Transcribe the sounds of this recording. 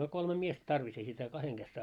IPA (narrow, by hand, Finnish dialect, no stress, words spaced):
olʲ kolme miest tɑrʋis ei sitæ kɑheŋ ɡ̊es